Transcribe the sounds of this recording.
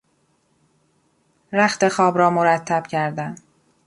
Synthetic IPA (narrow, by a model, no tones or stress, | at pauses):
ɾæxt̪e̞xɒːbɾɒːmoɾæt̪ʰːæb̥cʰæɾd̪æn